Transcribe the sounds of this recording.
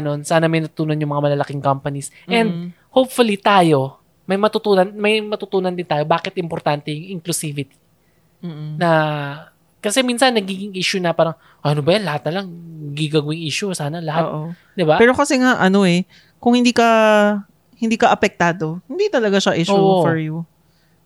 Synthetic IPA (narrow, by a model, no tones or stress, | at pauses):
no̞nsaːnɐmɐjnɐt̪ʊt̪uːnonjʊŋmɐŋamɐlɐlɐkɪŋkampɐnisʔʔɛnd̪̚ | howp̚fʊlit̪aːjo̞ | mɐjmɐt̪ʊt̪uːnɐnmɐjmɐt̪ʊt̪uːnɐnd̪ɪnt̪aːjo̞baːkɪt̪ʔɪmpoɾt̪ant̪ɛjʊŋɪŋklʊsiːvɪt̪i̥ | mːnɐ | kɐsɛminsɐnːɐɡiːɡɪŋʔiːʃʊnɐpaːɾɐŋ | ʔɐnobɐjanlɐhat̪̚nɐlaŋɐɡiɡaɡwɪŋʔiːʃʊsaːnɐlɐhaotːʔo | d̪ɪbapɛːɾo̞kɐsɛŋaʔɐno̞ʔɛ | kʊŋhɪnd̪iːkɐ | hɪnd̪iːkɐʔɐpɛk̚t̪aːd̪o̞hɪnd̪it̪ɐlɐɡaʃaʔɪʃouofɔɹju